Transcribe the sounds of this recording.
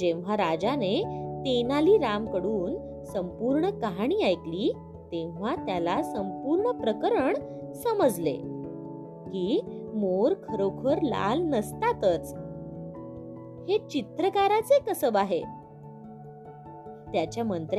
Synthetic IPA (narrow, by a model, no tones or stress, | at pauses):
d͡ʑẽʋ̤aɾad͡zanet̪enaliːɾamkəɽuːn | səmpuɾɳəkaɦaɽ̃iːajkliː | t̪ẽʋʋ̤at̪jalasəmpuɾɳəpɾəkəɾəɳ | səməd͡zlḛ | kiːmoɾkʰəɾokʰəɾla̰lnəst̪at̪ət͡s | het͡ɕit̪ɾəkaɾat͡sekəsəbaɦe | t̪jat͡ɕjamənt̪ɾ